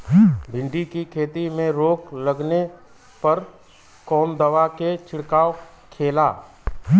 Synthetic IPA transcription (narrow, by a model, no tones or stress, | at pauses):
bʱɪ̃ɳɖikikʰeːt̪imẽɾoːklɐɡne | pɐɾ | kɔːnd̪əʋaket͡ʃʰɪɽkaː | kʰeːla̰ː